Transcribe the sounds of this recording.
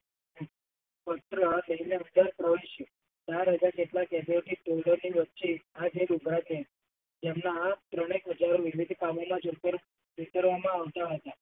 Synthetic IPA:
pət̪ɾənəineɦənd̪aɾpɾəʋeiʃe | t͡ʃaɾɦəd͡ʒakeʈlakɛd̪oʈiʈoɖəɾniʋətːt͡ʃiad͡ʒeluɡʱɾat̪ie | d͡ʒemnat̪ɾəɽ̃ekɦəd͡ʒaɾoʋiʋid̪ʱkamomãd͡ʒotəɾ | ʋit̪əɾʋamãaʋt̪aɦɦət̪a

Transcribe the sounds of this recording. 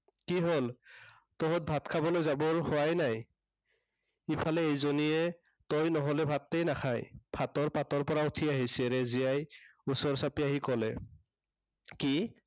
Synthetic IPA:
kiɦol | tɔɦɔt̚bʱatkʰabɔlojzabɔɹhʊajnaj | ipʰalɛejzoniɛ | tɔjnɔɦɔlɛbʱatːejnakʰajb̥ʱatɔɹpatɔɹpɔɹautʰiaɦisɛɹeziajusɔɹsapiaɦikɔlɛ̰ | ki

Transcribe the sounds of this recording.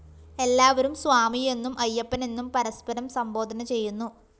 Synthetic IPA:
e̞lːaːʋɐɾumsʋaːmije̞nːumʔɐjːɐpːɐnenːumpɐɾɐspɐɾɐmsɐmbo̞ːd̪ʱɐnɐt͡ɕe̞jːunːu

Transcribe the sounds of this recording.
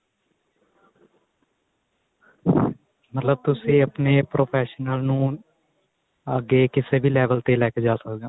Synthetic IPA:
mət̪ləb̚t̪ʊsẽəpneːpɾoːpʰɛːʃnəlnũː | əɡeːkɪseːbʱiːlɛːʋəlt̪elɛːked͡ʒaːsəkɡaː

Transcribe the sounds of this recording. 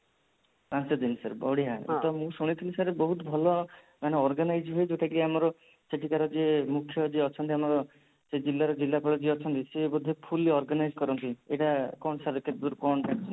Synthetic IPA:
pãnt͡ʃɔd̪insa̰ɾbɔɽiɦao̰t̪ɔmũsuɽ̃it̪ʰilisaɾbɔɦut̪ɔbʱɔlɔ | maneɔɾɡanajd͡ʒɦojd͡ʒeʈʰakieamɔɾɔ | seʈʰikaɾɔd͡ʒemukʰjɔd͡ʒeɔt͡ʃʰɔnt̪̬iamɔɾɔ | sed͡ʒilːaɾɔd͡ʒilːapɔɭɔd͡ʒeɔt͡ʃʰɔnt̪isebɔd̪ʱepʰuliɔɾɡanajd͡ʒkɔɾɔnt̪ieʈakɔɳsaɾkeʈd̪uɾkɔɳʈʰakt͡ʃʰɔn

